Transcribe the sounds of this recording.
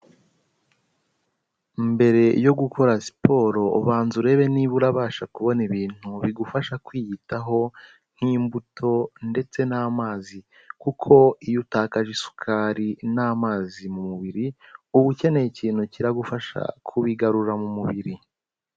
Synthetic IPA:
mbe̞ɾe̞jo̞ɡukʰo̞ɾasi̥po̞ːɾo̞βaːnzuɾe̞βe̞niβuɾaβaːʃakuβo̞niβiːn̥huβiɡufaʃakwiːjitaɦo̞ | ŋ̥hiːmbutʰo̞nde̞t͡se̞naːmaːzi | kukʰo̞ijutaːkaʒisu̥kʰaːɾinaːmaːzimumuβiɾiuβucene̞ciːn̥huciɾaɡufaʃa̰kʰuβiɡaɾuɾamumuβiɾi

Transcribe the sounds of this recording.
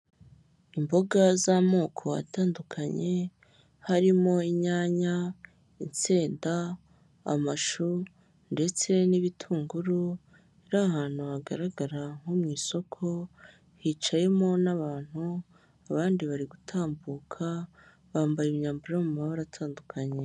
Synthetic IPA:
imbo̞ɡazamo̞ːkʰo̞ja̰taːndukʰaɲe̞ | haɾimo̞iɲaːɲa | int͡seːnda | a̰maʃu | nde̞t͡se̞niβitʰuːŋɡuɾu | iɾaːhaːn̥huβaɡaɾaɡaɾaŋ̥homŋiːso̞kʰo̞ | hiːt͡ʃaje̞mo̞naβaːn̥hu | aβaːndiβaɾiɡutʰaːmbuːkʰa | βaːmbajimɲaːmbuɾajomumaββaɾatʰaːndukʰaɲe̞

